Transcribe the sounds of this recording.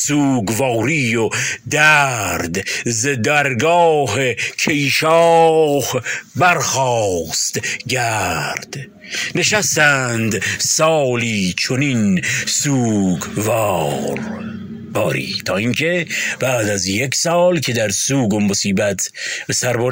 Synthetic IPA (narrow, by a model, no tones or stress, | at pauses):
suːɡvɑːɾiːjod̪æɾd̪zed̪æɾɡɒːɦekʰejʃɒːhbæɾxɒst̪ɟæɾd̪̥ | ne̞ʃæst̪ænd̪sɒːliːt͡ʃʰoninsuːɡvɑɾ | bɒːɾḭːt̪ʰɒːiːŋkʰe̞b̥æːd̪æzjeksɒːlkʰe̞d̪æɾsuːɡomːosiːbæt̪ʰbesæɾboɾ